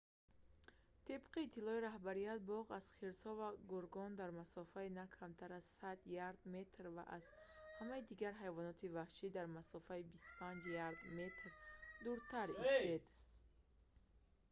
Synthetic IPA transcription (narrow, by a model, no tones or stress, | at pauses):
t̪ʰibqiːt̪ʰːilɔiɾahbaɾijat̪̚bɔʁaz̥χiɾshɔvaɡuɾɡɔnd̪aɾmasɔfainakʰamt̪ʰaɾazsad̪jaɾd̪me̞t̪ɾva̰ʔaz̥hamaid̪iɡaɾɦajvɔnɔt̪ʰivahʃid̪aɾmasɔfaibist̪u̥pʰand͡ʒjaɾd̪me̞t̪ɾd̪uɾt̪ʰaɾist̪ed̪